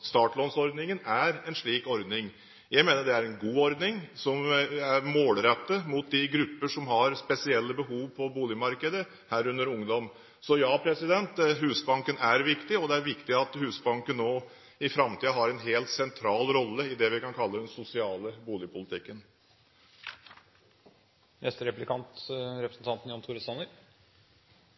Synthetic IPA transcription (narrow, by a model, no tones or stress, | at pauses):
st̪ɑːʈɭɔnsɔɾd̪nɪŋənæɾɛnʂɭiːkɔɾd̪nɪŋ | jæɪmeːnəɖ̪ɛæɾɛnɡuːɔɾd̪nɪŋsɔmæɾmoːlɾɛt̪ːəmʊt̪̚d̪ɪɡɾʉpːəʂɔmɦɑɾspɛsɪɛlːəbəɦuːʋpʰɔbuːlɪmɑɾkəd̪ə | hæːɾʉnd̪əɾʊŋd̪ɔm | sɔjɑːpʰɾɛsɪd̪ɛnt̪ɦʉːsbɑŋkənæɾʋɪkt̪ɪɔd̪ɛæɾʋɪkt̪ɪɑt̪hʉːsbɑŋkənːoː | ɪfɾɑmt̪ʰiːəɦɑɾɛnɦeːlt̪sɛnt̪ʰɾɑːlɾɔlːəɪd̪ɛʋɪkɑnkʰɑlːəd̪ɛnsʊsɪɑːləbuːlɪəpʰʊlɪt̪ʰɪkːən | nɛst̪əɾɛplɪkʰɑnt̪ɾɛpɾəsn̩t̪ɑnt̪n̩jɔnt̪ʰuːɾəsɑnəɾ